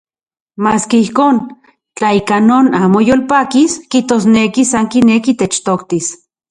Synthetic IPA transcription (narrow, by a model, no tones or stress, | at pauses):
maːskeihkoːn | t͡ɬaikanoːnaːmojoːlpaːkiskiht̪oːsnekisaŋkinekit̪et͡ʃt̪okt̪is